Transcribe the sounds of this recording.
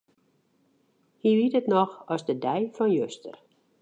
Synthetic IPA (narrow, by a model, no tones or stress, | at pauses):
hiʋitətnɔxɔsdədɛjfɔnjøstə̰r